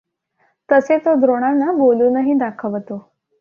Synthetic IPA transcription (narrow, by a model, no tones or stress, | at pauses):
t̪əset̪od̪ʱɾoɽ̃anːaboluːnəɦiːd̪akʰəʋt̪o